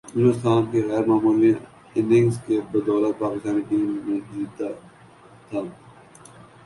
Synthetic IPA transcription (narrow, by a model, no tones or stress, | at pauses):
ɪnʊst̪aːnkeɣɛːɾmaːmuːle | ɪ̃nɪ̃ŋɡskebəd̪ɔːlət̪̚paːkɪst̪aːniʈiːmːẽd͡ʒiːt̪a | t̪ʰaː